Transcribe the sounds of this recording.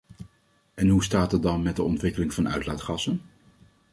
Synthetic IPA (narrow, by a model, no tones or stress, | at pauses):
ɛnɦustaːtɑt̚dɑnmɛd̚əɔntʋɪkəlɪŋvɑnœ̰ɥtlaːtχɑsən